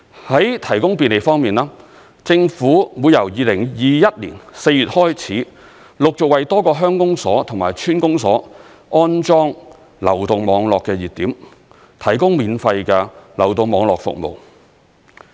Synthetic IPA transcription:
hɐ˨˥jt̪ʰɐ˨˩jkʊ˥ŋpiː˨nle˨jfɔː˥ŋmiː˨naː˥ | t͡sɪ˧ŋfuː˨˥muː˨˧jɐ˨˩wjiː˨˧lɪ˨˩ŋjiː˨jɐ˥t̚lḭː˨˩nse˧jyː˨t̚hɔː˥jt͡sʰiː˨˥ | lʊ˨k̚t͡sʊ˨k̚wɐ˨jt̪ɔː˥kɔː˧ɦœː˥ŋkʊ˥ŋsɔː˨˥t̪ʰʊ˨ŋmaː˨˩jt͡ʃʰyː˥nkʊ˥ŋsɔ̰ː˨˥ | ɔː˥nt͡ʃɔː˥ŋ | lɐ̰˨˩wt̪ʊ˨ŋmɔː˨˧ŋlɔː˨kːɛː˧jiː˨˩t̪̚iː˨˥m | t̪ʰɐ˨˩jkʊ˥ŋmiː˨nfɐ˧jkɛː˧lɐ˨˩wt̪o˧ŋmɔː˨˧ŋlɔː˨k̚fʊ̰˨k̚mo̰˨˩w

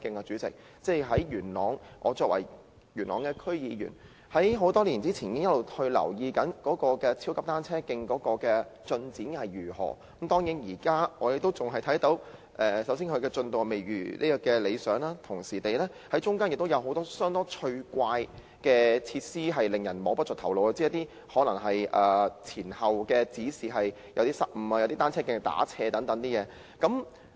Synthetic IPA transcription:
kɪ˧ŋkaː˧t͡ʃyː˨˥t͡sɪ̰˨k̚ | t͡sɛ˥˩jɦɐ˨˥jɥyː˨˩nlɔ̰ː˨˩ŋʔɔ̰ː˨˧t͡sɔː˧k̚wʔɐ̰˨˩j | ɥyː˨˩nlɔː˨˩ŋkɛː˧kʰɵ˥ɥjiː˨˧jy̰˨˩n | hɐ˨˥jɦo˨˥wt̪ɔː˥liː˨˩nt͡siː˥t͡sʰiː˨˩ni˨˥ŋjɐ˥tlo˨whɵ˧ɥlɐ̰˨˩wjiː˧kɐ˨˥nkɔː˨˥kɔː˧kɛː˧t͡sʰi˥wkɐ˥p̚t̪aː˥nt͡sʰɛː˥kɪ˧ŋkɔː˨˥kɔː˧kɛː˧t͡ʃɵ˧nt͡siː˨˥nhɐ˨˩jɥyː˨˩hɔ̰ː˨˩˨mt̪ɔː˥ŋjiː˨˥njiː˨˩kaː˥ŋɔː˨˧je˨k̚t̪o˥wt͡sʊ˨ŋɦɐ˨jt̪ʰɐ˨˥jt̪o˨˥w | ʔɛː˨˩sɐ˨˥ws̬iː˥ŋkʰɵ˧ɥkɛː˧t͡ʃɵ˧nt̪ŋ˨me˨˩jɥy̰ː˨˩lʔiː˥kɔ˧kɛː˧le˨˧jsœː˨˥ŋlaː˥t̪ʰʊ˨˩ŋsiː˨˩t̪e˨jlɛː˥ | hɐ˨˥jt͡ʃʊ˥ŋkaː˥njɪ˨k̚t̪wjɐ˨˧wɦo˨˥wt̪ɔː˥sœː˥ŋt̪ɔː˥t͡ʃʰɵ˧ɥkʷaː˧j | kɛː˧t͡sʰiː˧t̚siː˥ɦɐ˨jlɪ˨ŋjɐ˨˩nmɔː˨˥pɐ˥t̚t͡sɔ˨t̪ʰɐ˨˩wlo˨˧wa˧t͡siː˥ɐ˥t̪iː˥ | hɔː˨˥lɐ˨˩ŋɦɐ˨jʔɐː˨˩t͡sʰiː˨˩nhɐ˨wkɛː˧t͡siː˨˥siː˨ɦɐ˨j | jɐ˨˧wt̪iː˥sɐ˥p̚m̩˨˧maː˧jɐ˨˧wt̪iː˥t̪aː˥nt͡sʰɛː˥kɪ˧ŋt̪a̰ː˨˥t͡sʰɛː˧t̪ɐ˨˥ŋt̪ɐ˨˥ŋt̪iː˥jɛː˨˧ | kɐ˨˥m

